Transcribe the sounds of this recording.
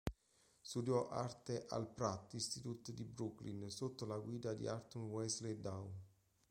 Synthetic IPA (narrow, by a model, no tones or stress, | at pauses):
st̪ud̪jɔʔa̰rt̪eʔa̰lpɾat̪ːist̪it̪ut̪d̪ibɾuklinsot̪ːolaɡwiːd̪ad̪ḭart̪unwɛsled̪awn